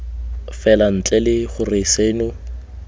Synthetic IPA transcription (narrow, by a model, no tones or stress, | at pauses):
fɛlan̩t͡ɬʼɛlɪχʊrɪseːnʊ